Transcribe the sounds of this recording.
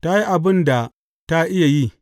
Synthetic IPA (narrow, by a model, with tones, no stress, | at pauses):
ta˦ji˦ʔa˨bɪ˦nda˨ | ta˦ʔɪ˦ja˨ji˦